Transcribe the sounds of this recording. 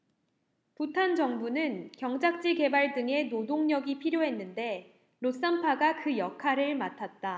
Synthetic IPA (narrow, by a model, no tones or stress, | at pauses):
putʰand͡ʑʌŋbunɯnkjʌŋd͡ʑak̚t͡ɕ͈iɡe̞baɭdɯŋe̞nodoŋɲʌɡipʰiɾjoɦe̞nːɯnde̞ | ɾos͈ampʰaɡakɯjʌkʰaɾɯɭmatʰat̚t͈a